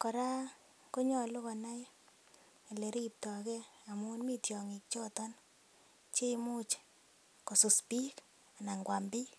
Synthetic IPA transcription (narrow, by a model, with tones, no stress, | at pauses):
kɔ˨ɾa˦ | ko˦ɲɔ˨lʊ˦kɔ˨na˦j | le˨ɾi˦p̚tɔ˨kɛ˦a˨mu˦nmi˦tjɔ˨ŋi˨k̚t͡ʃɔ˦tɔ˦n | t͡ʃe˦jmu˦t͡ʃ | ko˨su˨spi˦k | a˨na˨ŋɡwa˨mbi˦